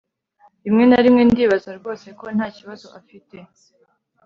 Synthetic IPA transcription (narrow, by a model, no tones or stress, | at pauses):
imŋe̞naɾimŋe̞ndiːβazaɾɡo̞ːse̞ko̞n̥haːciβazo̞ʔafite̞